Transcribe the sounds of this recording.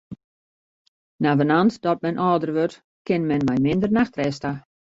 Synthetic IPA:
navənantdɔt̚mɛnʔɔːdərʋøt | kɪnmɛnmɛjmɪndərnaxtrɛsta

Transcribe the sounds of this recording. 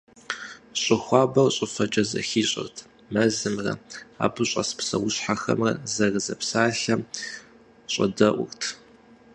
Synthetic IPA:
ɕʼɪxʷɑːbɐrɕʼɪfɐt͡ʃʼɐzɐ̰xiːɕʼɪ̰rtʰ | mɐzɨmrɐ̰a̰ːbɨɕʼɐsɨ̥psɐ̰wʊɕħaxɐ̰mrɐ̰zɐrɨzɐpsaːɬɐm | ɕʼɐ̰dɐʔʷʊrtʰ

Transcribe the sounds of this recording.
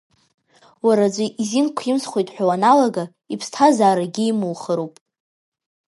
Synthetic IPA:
waɾad͡ʒʷiʔizinkʷʰjɪmsχʷojtʼħʷᶣawanalaɡa | ipʰstʰazaːɾaɡʲiimɨlχəɾowpʼ

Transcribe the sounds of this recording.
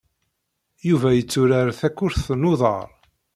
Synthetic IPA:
juvæjət͡sːʊɾaɾθækːʊɾθnʊðˤɑ̰ɾˤ

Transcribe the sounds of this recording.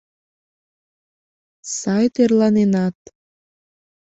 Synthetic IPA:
sɑjt̪erlɑnenɑt̪̚

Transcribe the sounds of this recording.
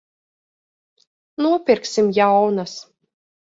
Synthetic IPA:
nuɔpʲiɾksimjawnas

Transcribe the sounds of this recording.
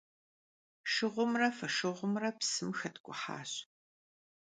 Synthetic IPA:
ʃɨʁʷʊmrɐfɐʃɨʁʷʊmrɐpsɨmxɐtʰɡʷʼʊħa̰ːɕ

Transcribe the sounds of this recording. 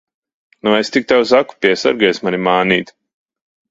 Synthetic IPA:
nuest̪ik̚t̪awsaku̥pʲiɛsa̰ɾɡɛjsmanʲimaːniːt̪

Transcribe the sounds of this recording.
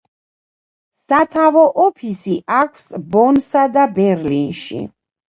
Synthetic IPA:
sat̪ʰavɔʔɔpʰisiʔakʰsbɔnsad̪abɛɾlinʃḭ

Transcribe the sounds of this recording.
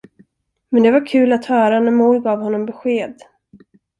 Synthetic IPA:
mɛnd̪ɛvaɾkʰʉ̟ːlat̪hœːɾanæɾmuːlɡɑːvhɔnːɔmbɛɧeːd̪

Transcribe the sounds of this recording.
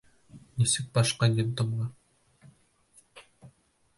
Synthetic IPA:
nisɘk̚bɑʃqɑnʲent̪ŏmʁɑ

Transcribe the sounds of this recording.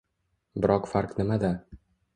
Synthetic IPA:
bɪɾɒqfaɾqnɪmad̪a

